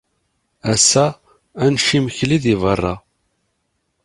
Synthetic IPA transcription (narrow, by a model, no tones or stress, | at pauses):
æsæ | ænʃimçliðivərˤːɑ